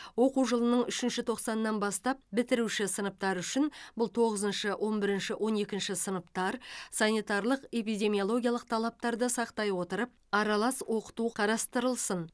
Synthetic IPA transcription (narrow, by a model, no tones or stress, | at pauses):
wo̞quwʒəlˠənəɴʏʃɪnʃɪt̪ʰo̞qsɑnəːɑnbɑst̪ɑp̚bɪt̪ɪɾuʃɪsənəp̚t̪ɑɾʏʃɪnbʊlˠt̪ʰo̞ʁəzənʃəwʔo̞nbɪɾɪnʃɪwʔo̞ne̞kʲɪnʃɪsənəpt̪ɑɾsɑnit̪ɑɾlˠəqe̞pijd̪ʲe̞mijo̞lˠo̞ɡʲijɑlˠəq̚t̪ʰɑlˠɑp̚t̪ɑɾd̪əsɑqt̪ɑjwo̞t̪əɾəp̚ɑɾɑlˠɑswo̞qə̥t̪uqʰɑɾɑst̪əɾəlˠsən